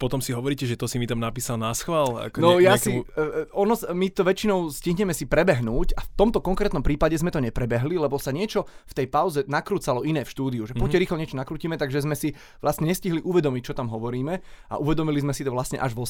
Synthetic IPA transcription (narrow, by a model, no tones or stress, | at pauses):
pɔt̪ɔmsiɦɔʋɔɾiːcɛʒɛt̪ɔsimit̪amnapiːsalnasxʋala̰knɔjasiɔnɔsmit̪ɔʋɛt͡ʃinɔʊsciɦɲɛmɛsipɾɛbɛɦnuːcaft̪ɔmt̪ɔkɔŋkɾɛːt̪nɔmpɾiːpaɟɛzmɛt̪ɔɲɛpɾɛbɛɦlilɛbɔsaɲɪɛt͡ʃɔft̪ɛjpaʊzɛnakɾuːt͡salɔinɛːfʃt̪uːd̪iuʒɛpɔcɛɾiːxlɔɲɪɛt͡ʃɔnakɾuːciːmɛt̪aɡʒɛzmɛsi | ʋlasɲɛɲɛsciɦliʔuʋɛd̪ɔmic̚t͡ʃɔt̪amɦɔʋɔɾiːmɛa̰ʔuʋɛd̪ɔmilizmɛsit̪ɔʋlasɲɛ̰ʔaʒʋɔ